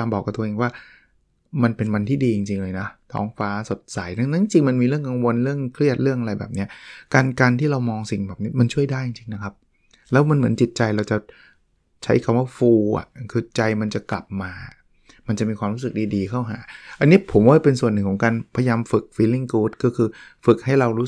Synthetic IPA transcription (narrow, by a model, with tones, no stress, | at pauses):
aː˧mbɔː˨˩kːa˨˩t̪u˧ʔeː˧ŋwaː˥˩ | ma˧npe˧nwa˧nt̪ʰiː˥˩diː˧t͡ɕi˧ŋt͡ɕi˧ŋlɤː˧jna˦˥t̪ʰɔ̰ː˦˥ŋfaː˦˥so˨˩t̪̚sa˨˩˦jna˥˩ŋna˦˥ŋt͡ɕi˧ŋma˧nmiː˧ɾɯ˥˩əŋka˧ŋwo˧nɾɯ˥˩əŋkʰɾi˥˩ət̪̚ɾɯ˥˩əŋʔa˧ɾa˧jbɛ̰ː˨˩p̚ni˦˥ɐkaː˧nkaː˧nt̪ʰiː˥˩ɾa˧wmɔː˧ŋsi˨˩ŋbɛː˨˩p̚ni˦˥ma˧nt͡ɕʰu˥˩əjdaː˥˩jt͡ɕi˧ŋt͡ɕi˧ŋna˦˥kʰa˦˥p̚ | lɛː˦˥wma˧nmɯ˩˦ənt͡ɕi˨˩t̪̚t͡ɕa˧jɾa˧wt͡ɕa˨˩ | t͡ɕʰa˦˥jkʰa˧mwaː˥˩fuː˧ʔa̰˨˩kʰɯː˧t͡ɕa˧jma˧nt͡ɕa˨˩kla˨˩p̚maː˧ | ma˧nt͡ɕa˨˩miː˧kʰwaː˧mɾuː˦˥sɯ˨˩k̚diː˧diː˧kʰa˥˩wɦa̰ː˩˦ʔa˧nːi˦˥ɐpʰo˩˦mwaː˥˩pe˧nsu˨˩ənːɯ˨˩kʰɔ˩˦ŋkaː˧npʰa˧jjaː˧mfɯ˨˩k̚fiː˧li˥˩ŋkuː˦˥t̪̚kɔː˥˩kʰɯː˧fɯ˨˩k̚ha˥˩jɾa˧wɾuː˦˥